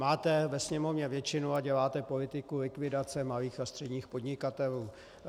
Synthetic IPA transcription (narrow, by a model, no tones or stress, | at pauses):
maːt̪ɛvɛsɲɛmovɲɛvjɛt͡ʃɪnuaɟɛlaːt̪ɛpo̞lɪt̪ɪkulɪkvɪdat͡sɛmaliːxast̪r̥ɛdɲiːxpodɲɪkat̪ɛluː